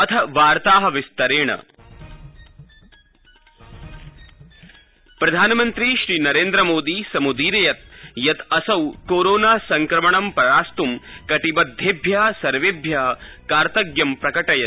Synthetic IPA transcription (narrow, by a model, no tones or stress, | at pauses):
ɐt̪ʰɐʋaːɾt̪aːɦɐ̆ʋist̪ɐɾeːɳɐ̰ | pɾɐd̪ʱaːnɐmɐnt̪ɾiʃɾiːnɐɾeːnd̪ɾɐmoːd̪iːsɐmud̪iːɾɐjɐt̪̚jɐt̪ɐsɐwkoːɾoːnaːsɐŋkɾɐmɐɳɐmpɾɐɾaːst̪umkɐʈibɐd̪ʱːebʱjaːsɐɾʋebʱjɐɦɐkaːɾt̪ɐɡjɐmpɾɐkɐʈɐjɐ